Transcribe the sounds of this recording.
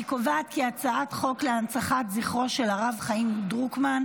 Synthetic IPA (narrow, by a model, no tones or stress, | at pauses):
ikovaːt̪̚kiat͡saatχo̞kleant͡saχat̪ziχʁo̞ʃe̞laʁavχaimdʁukman